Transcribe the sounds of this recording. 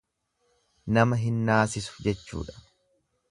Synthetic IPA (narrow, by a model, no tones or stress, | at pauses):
nɐmɐɦɪnːaːsɪsʊ̥d͡ʒɛt͡ʃːṵːᶑɐ̥